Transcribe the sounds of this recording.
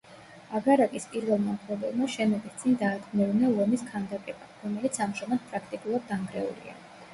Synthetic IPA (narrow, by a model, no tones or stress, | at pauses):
aɡaɾakʼispʼiɾvɛlˠmaχlɛbɛlˠmaʃɛmɛɡ̪ist̪sʼind̪aːd̪ɡmɛvnalˠɔmiskʰand̪akʼɛbaɾɔmɛlit̪sʰamʃɔmɛt̪pʼɾak̚ʰt̪ʼikʼulˠad̪̚ːaŋɡɾɛṵlḭa̰